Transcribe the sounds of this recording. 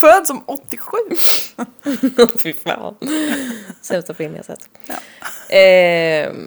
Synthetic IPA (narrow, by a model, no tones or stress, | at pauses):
fœːd̪sɔmɔt̪ːɪɧʉ̟ː | fɪfa̰ːn | sɛmt̪ʰapʰɔeːnɪ̰a̰sɛ̰t̪ː | ʔɛ